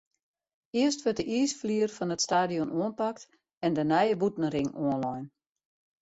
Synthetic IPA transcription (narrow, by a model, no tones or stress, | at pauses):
ɪəstʋøtdəʔiːsfliərfɔnətstaːdijɔnoənpak̚t | ɛndənɛjəbutn̩rɪŋoənlɔjn